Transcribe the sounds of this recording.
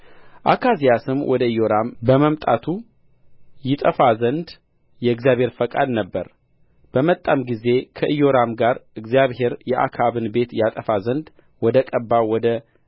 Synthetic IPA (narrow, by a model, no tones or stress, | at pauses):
ʔakʰazijasɨmwʔɔd̪əɨjo̞ɾambəməmt̪ʼat̪ʰu | jɪt̪ʼəfazənd̪ | jɛɨɡzijaβhe̞ɾfəkʼa̰d̪nəbːəɾ | b̥əmət̪ʼːamɡize̞kʰəʔɨjo̞ɾamɡaɾɨɡzijaβhe̞ɾjɛʔa̰kʰaβɨnbe̞t̪jat̪ʼəfazənd̪ | wɔd̪əkʼəbːawɔd̪ə